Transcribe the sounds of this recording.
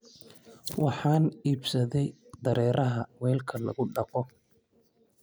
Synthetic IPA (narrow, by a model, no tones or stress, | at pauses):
wɑħɑːniːbsɐðɛj | d̪ɐɾʔɛːɾʔɐɦɐwɛːlkʰɐlɐ̰ɣʊɖɑqɔ